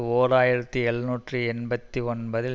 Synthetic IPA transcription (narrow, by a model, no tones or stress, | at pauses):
oːɾaːjɪɾɐt̪ːɯɛɭnuːʈrɯɛnbɐt̪ːiɔnbɐðɪ